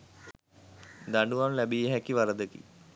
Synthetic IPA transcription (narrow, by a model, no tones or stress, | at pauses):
d̪aɳɖuʋamlæbijeɦækːiʋaɾəd̪əkḭ